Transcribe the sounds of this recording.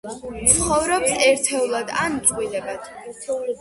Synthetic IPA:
t̪sʰχɔvɾɔpsɛɾt̪ʰɛulˠad̪a̰nt̪sʼqʼwilɛbad̪̥

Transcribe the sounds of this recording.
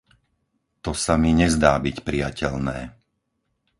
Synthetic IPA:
t̪ɔsamiɲɛzd̪aːbicpɾijacɛʎnɛː

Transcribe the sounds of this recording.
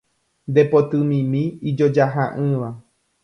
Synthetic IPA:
nd̪e̞pot̪ɨmĩmĩid͡ʒod͡ʒaɦaʔɨ̃ʋa

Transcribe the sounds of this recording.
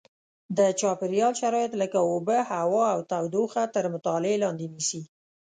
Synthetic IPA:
d̪ət͡ʃɑpɪɾjɑlʃaɾɑjat̪ləkaobəhawɑawt̪awd̪oxat̪əɾmʊt̪ɑlɪelɑnd̪enisi

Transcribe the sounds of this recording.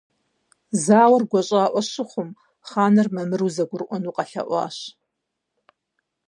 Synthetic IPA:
zaːwɐrɡʷɔɕʼaːʔʷɔɕɪχʷʊm | χaːnɐrmɐmɨruzɐɡʷʊrɨʔʷɔnuːqʼɐɬɐ̰ʔʷɑ̰ːɕ

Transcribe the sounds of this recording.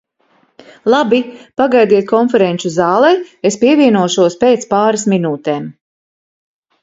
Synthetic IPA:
lˠabipaɡajd̪iɛt̪̚kʰɔnfɛɾenʲt͡ʃuzɑːlˠɛespiɛvʲiɛnuɔʃuɔspeːt̪spaːɾasminuːt̪eːm

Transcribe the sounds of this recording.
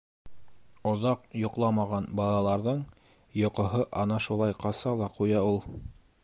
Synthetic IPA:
ŏðɑqjŏqlˠɑmɑʁɑnbɑlˠɑlˠɑɾðɤɴ | jŏqŏɦɤʔɑnɑʃulˠɑjqɑsɑlˠɑqujɑulˠ

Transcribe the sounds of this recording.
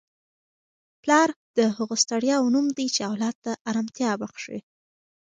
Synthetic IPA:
plɑɾd̪̥əɦəɣost̪aɽjɑwnumd̪ijt͡ʃeawlɑd̪̚t̪aʔːɾɑmt̪jɑbaxʂḭ

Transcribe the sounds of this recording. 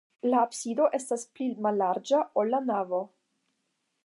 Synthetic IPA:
laːpsido̞ʔe̞stasplimalːaɾd͡ʒaʔolːanavo̞

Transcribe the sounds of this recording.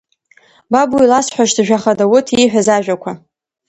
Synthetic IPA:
babuilasħʷᶣaʃdɨʒᶣaχadawʊtʰiħʷᶣazaʒᶣakʷʰa

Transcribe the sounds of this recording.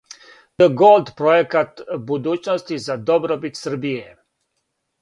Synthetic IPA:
d̪̥əɡolˠd̪pɾojekat̪bud̪uːt͡ʃnost̪izad̪obɾobit̪sər̩bije

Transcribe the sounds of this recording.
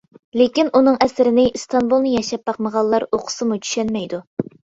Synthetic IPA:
lekʲinʔunɨŋʔɛsɪɾɪnɪst̪ʰɑnbulˠnɨjɛʃɛp̚bɑqməʁɑlˠːɑɾoqʰʊ̥sɨmut͡ʃʰy̥ʃɛnmɛjd̪u

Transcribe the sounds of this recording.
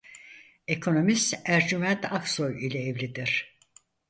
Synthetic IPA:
ekʰo̞no̞mist̪æɾd͡ʒymɛnt̪ʰakso̞jilʲɛːvlʲid̪iɾ̥

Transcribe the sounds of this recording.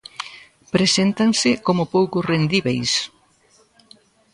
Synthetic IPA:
pɾesent̪aŋsɪkomʊpowkʊsrend̪iβejs

